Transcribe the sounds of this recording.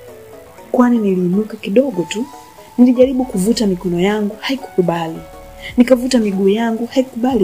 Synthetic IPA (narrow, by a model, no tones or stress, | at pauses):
kwaniniliːnukakiɗɔɡɔtu | niliʄaɾiɓukuvutamikɔnɔjaŋɡuhaiku̥kuɓali | nikavutamiɡuːjaŋɡuhaikuɓali